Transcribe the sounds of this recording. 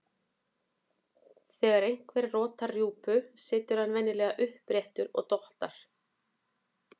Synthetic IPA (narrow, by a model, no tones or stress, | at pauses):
θɛːɣaɾejŋ̥kvɛɾrɔːt̪arjuːpʏsɪːt̪ʏɾ̥hanvɛnːɪlɛːɣaʔʏhpɾɛht̪ʏɾɔ̰ɣt̪ɔht̪aɾ̥